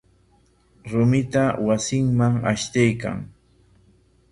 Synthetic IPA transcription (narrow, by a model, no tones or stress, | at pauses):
ɾʊmɪt̪awasɪŋmaŋa̰ʃt̪ajka̰ŋ